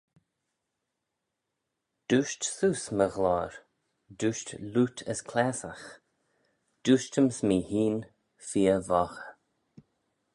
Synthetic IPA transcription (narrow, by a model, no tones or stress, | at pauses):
d̪̥uːʃtsuːsməɣlɔːɹ | duːʃtluːt̪ʰə̰skʰlɛsəx | d̪̥uːʃtəmsmiːhiːn | fiːəvɔxə